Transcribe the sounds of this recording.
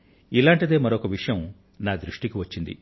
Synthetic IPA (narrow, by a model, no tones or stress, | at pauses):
ilaːɳʈid̪e̞ːmɐɾokɐʋiʂɐjɐm | naːd̪ɾuʂʈikiʋɐt͡ʃːind̪ḭ